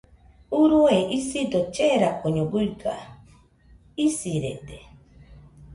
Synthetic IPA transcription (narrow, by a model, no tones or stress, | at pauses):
uɾueʔisid̪ot͡ʃeɾakoɲoɡuiɡa | isiɾḛd̪e